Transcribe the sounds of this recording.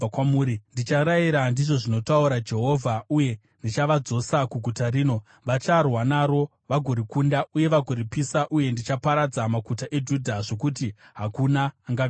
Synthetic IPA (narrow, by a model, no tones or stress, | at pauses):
akwamuːɾindit͡ʃaɾaiɾandiʐo̞ʐino̞tauɾad͡ʒe̞ɦo̞vʱauje̞ | ndit͡ʃaʋad͡zo̞sakuɡʱutaɾiːno̞ | ʋat͡ʃarwanaːɾo̞ | ʋaɡʱoɾikundaʔuje̞ʋaɡʱoɾipisaʔuje̞ndit͡ʃapaɾad͡zamakutaʔe̞d͡ʒudʱaʐo̞kutiɦakunaːŋɡa